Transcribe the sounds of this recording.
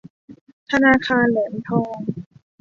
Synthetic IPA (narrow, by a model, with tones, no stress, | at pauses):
t̪ʰa˧naː˧kʰaː˧nlɛː˩˦mt̪ʰɔː˧ŋ